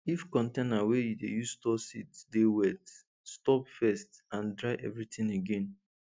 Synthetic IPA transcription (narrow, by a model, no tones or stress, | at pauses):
ifkɔ̃ntẽnawejudejuztɔsitdewɛt | stɔpfɛstãndɹaɪʔɛvɹitĩŋeɡẽn